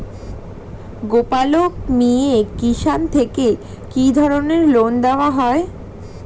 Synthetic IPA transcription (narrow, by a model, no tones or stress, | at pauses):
ɡopalokmiekiʃant̪ʰeke | kid̪ʱɔɾoneɾlond̪eoaɦɔe